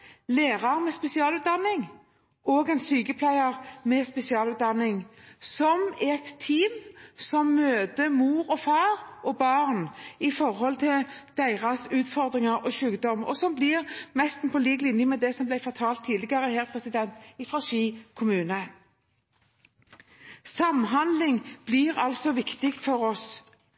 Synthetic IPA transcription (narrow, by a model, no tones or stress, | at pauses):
leːʁɑʁmɛspɛsɪɑːlʉːt̪̚d̪ɑnːɪŋ | oːɡɛnsyːkəpʰlæɪɑʁmɛspɛsɪɑːlʉːt̪̚d̪ɑnɪŋsɔmɛt̪ʰːiːmsɔmːøːd̪əmuːɾɔfɑːʁʔɔbɑːʁnɪfɔɾhɔlt̪ʰɪld̪̥æɪʁɑsʉːt̪fɔʁd̪ʁɪŋɑɾʔɔːʃʉːkd̪ɔmɔ̰sɔmblɪʁmɛst̪n̩pʰɔliːɡlɪnjəmɛd̪ɛsɔmblæɪfɔʁt̪ʰɑːlt̪ʰːiːd̪lɪɡɑʁəɦæːʁpʰʁɛsɪd̪ɛnt̪ɪfʁɑʃiːkʰʊmʉːnə | sɑmɦɑnd̪lɪŋb̥lɪʁɑlsɔʋɪkt̪ɪkt̪fɔɾɔs